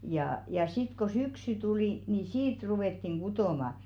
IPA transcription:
jɑː jɑ sit ko syksy tuliˑ ni siːt ruwetːiŋ ɡ̊utoˑmɑ

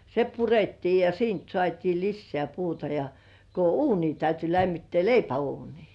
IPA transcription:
se puretːiː jɑ siːnt sŏɑˑtʲiː lisːĕæˑ puːtɑ jɑ ko uːni tæyty læmːitːĕæˑ leipæuːniː

